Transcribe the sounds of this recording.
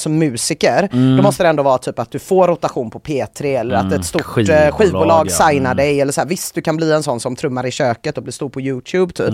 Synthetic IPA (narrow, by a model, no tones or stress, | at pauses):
sɔmːʉ̟ːsɪkəɾd̪ɔmɔst̪əd̪ɛnd̪oːvɑːɾat̪ʰyːpat̪̚d̪ɵfoːɾːʊt̪aɧuːnpʰɔpʰeːt̪ʰɾɪɛlːəɾa̰t̪ɛt̪st̪ʊɧiːvbuːlɑːɡsajnad̪ɛjɛlːəʂɔæːɾvɪst̪̚d̪ɵkʰanbliːɛnsɔnːsɔmt̪ʰɾɵmːaɾɪɕøːkət̪ɔblɪːʂst̪uːɾpʰɔjʉːt̪ʰjʉːbt̪ʰy̰ːp